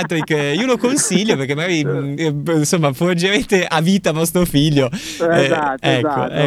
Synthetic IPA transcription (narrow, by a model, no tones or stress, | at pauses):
t̪ːɾikːiːolokonsiʎːoperk̟emːaɡaːɾi | nsomːafood͡ʒement̪eʔaviːt̪avɔst̪ɾofiʎːo | ɛkːo̰ɛ